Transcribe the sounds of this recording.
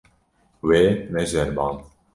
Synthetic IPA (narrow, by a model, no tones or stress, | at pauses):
weːmɛʒɛɾbɑːn